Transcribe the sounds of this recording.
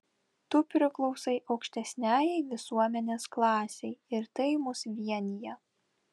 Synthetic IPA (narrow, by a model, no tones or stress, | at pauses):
t̪ʊpʲɾʲɪklˠɒʊsɐɪʔɒʊkʃʲt̪ʲɛsʲnʲæːjɛɪʋʲɪsuɔmʲɛnʲeːsklˠɑːsʲɛɪɪɾt̪ɐɪmʊsʋʲiɛnʲɪjɛ